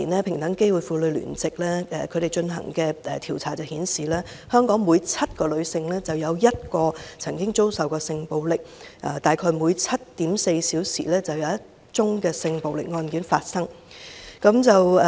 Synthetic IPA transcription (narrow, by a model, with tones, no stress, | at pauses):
nɛː˥pʰɪ˨˩ŋt̪ɐ˨˥ŋke˥jwu˨˧jfuː˨˧lɵ˨˧ɥly̰ː˨˩nt͡sɪ˨k̚lɛː˥ɛ̰ː˨kʰɵ˨˧ɥɾe˨jt͡ʃɵ˧nɦɐ̰˨˩ŋkɛː˧ɛ˨t̪ʰiː˨˩wt͡sʰaː˨˩t͡sɐ˨˩whiː˨˥nsiː˨lɛː˥ | hœː˥ŋkɔː˨˥ŋmuː˨˧jt͡sʰɐ˥t̚kɔː˧lɵ˨˧ɥsɪ˧ŋlɛː˥t͡sɐ˨wjɐ˨˧wjɐ˥t̚kɔː˧t͡sʰɐ˨˩ŋkɪ˥ŋt͡so˥wsɐ˨wkɔː˧sɪ˧ŋpo˨wlɪ˨k̚ʔɛ̰˨t̪aː˨jkʰɔː˧jmuː˨˧jt͡sʰɐ˥t̚t̪iː˨˥mse˧jsiː˨˥wsḭː˨˩lɛː˥t͡sɐ˨wjɐ˨˧wjɐ˥t | t͡ʃʊ˥ŋkɛː˧sɪ˧ŋpo˨wlɪ˨k̚ŋɔː˧nki˨˥nfaː˧t̚sɐ˥ŋkɐ˨˥mt͡sɐ˨w